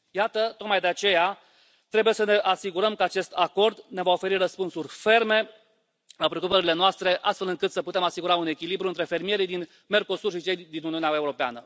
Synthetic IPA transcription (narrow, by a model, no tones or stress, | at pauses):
jat̪ət̪o̞t̪̚majd̪e̞at͡ʃe̞ja | t̪ɾe̞buje̞səne̞ʔasiɡuɾəmkəat͡ʃe̞st̪ako̞rd̪ne̞vao̞fe̞ɾirəspunsurʲfe̞rme̞ | lapɾeo̞kupəɾile̞noast̪ɾe̞ʔast̪fe̞lɨŋkɨt̪səput̪emasiɡuɾaune̞kʲilibɾuɨnt̪ɾe̞fe̞rmije̞ɾid̪in | me̞rko̞surʃit͡ʃe̞jd̪inuniuneaeuɾo̞pea̰nə